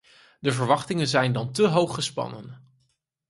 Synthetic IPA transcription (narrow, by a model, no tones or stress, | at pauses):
dəvəɹʋɑχtɪŋənzɛjndɑntəɦowχːəspɑ̰nə̰n